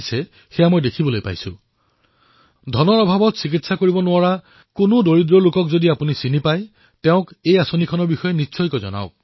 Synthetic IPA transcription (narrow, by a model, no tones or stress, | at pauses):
sɛ | xeɛjamojdekʰibɔlojpa̰jsʊ̰̃ | dʱɔnɔɹɔbʱabɔtsik̬itsakoɹibɔnʊaɹa | kʊnʊdoɹidɹɔlʊkɔkzodiapunisinipaj | tɛʊ̃kejasonikʰɔnɔɹbixɔjɛnisʰɔjkɔzɔ̰na̰ʊk